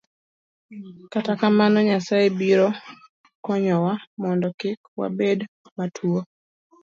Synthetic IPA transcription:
katakamanɔɲasaebiɾɔ | kɔɲɔwamɔndɔkɪkwa̰bed | matʰuo

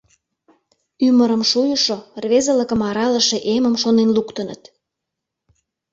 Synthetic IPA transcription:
yməɾə̆mʃujəʃorβezə̆lə̆kə̆mɑɾɑləʃeʔeməmʃonenlukt̪ə̆nə̰t̪

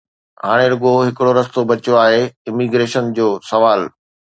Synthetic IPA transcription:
ɦa̰ːɽ̃eɾʊɠoɦɪkɪɽoɾɐst̪obɐt͡ɕoaːɦeɪmiɡɾeːʃənd͡ʑoːsɐʋaːl

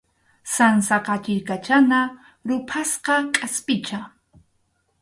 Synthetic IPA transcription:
sansɑqɑt͡ʃɪɾkat͡ʃana | ɾʊpʰasqɑkʼaspɪt͡ʃa

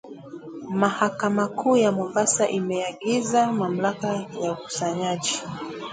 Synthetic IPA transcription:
mahakamakuːjamɔmbasaʔimɛaɠizamam̩lakajauku̥saɲaʄi

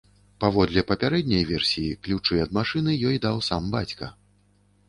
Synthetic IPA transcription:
pavɔd̪lʲɛpɐpʲaɾɛd̪ʲnʲɐjvʲɛrsʲijiklʲut͡ʂɨjɐd̪̚maʂɨnɨjɔjd̪awsambat͡sʲkɐ̰

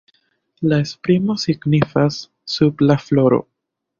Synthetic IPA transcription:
laespɾimo̞siɡnifasː | ublaflo̞ɾo̞̰

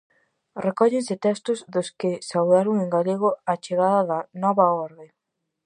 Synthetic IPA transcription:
rekɔʎensɪt̪ɛst̪ʊzðʊskɪsawðaɾoŋeŋɡaʎeɣ̞oat͡ʃeɣaðɐðanɔβaɔɾðe

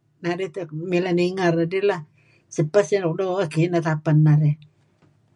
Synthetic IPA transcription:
nadet̪milaniŋaradila | səpːasadɔk̚doakinat̪apanːaɾe

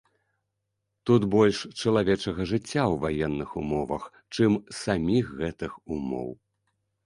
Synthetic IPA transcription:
t̪ut̪bɔlʲʂt͡ʂɐlˠavʲɛt͡ʂɐɣɐʐɨt͡sʲːawvajɛnːɨxumɔvɐ̰x | t͡ʂɨmsamʲixɣɛt̪ɨxumɔ̰w

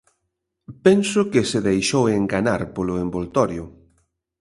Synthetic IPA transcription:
pɛnsʊkɪsɪðejʃoweŋɡanaɾpolʊembolt̪ɔɾjʊ

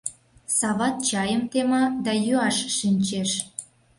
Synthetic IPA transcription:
sɑβɑt̪̚t͡ɕɑjəmt̪emɑd̪ɑjyɑʃːinʲt͡ɕeʃ

